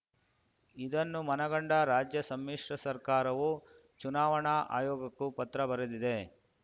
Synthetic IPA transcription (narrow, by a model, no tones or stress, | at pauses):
id̪ɐnːumɐnɐɡɐɳɖɐɾaːd͡ʒjɐsɐmːiːʂɾɐsɐɾkaːɾɐʋu | t͡ʃunaːʋɐɳaʔa̰ːjɔːɡɐkːupɐt̪ɾɐbɐɾed̪id̪e̞